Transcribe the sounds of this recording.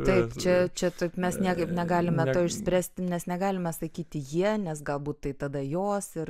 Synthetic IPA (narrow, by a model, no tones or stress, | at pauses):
t̪ɐɪpt͡ʃʲɛt͡ʃʲɛt̪ɐɪpmʲɛsnʲiɛkɐɪpnʲɛɡɑːlʲɪmʲɛt̪oːɪʃʲsʲpʲɾʲæːsʲt̪ʲɪnʲɛsnʲɛɡɑːlʲɪmɛsɐkʲiːt̪ʲɪjiɛnʲɛsɡɐlˠbuːt̪̚t̪ɐɪt̪ɐd̪ɐjoːsɪr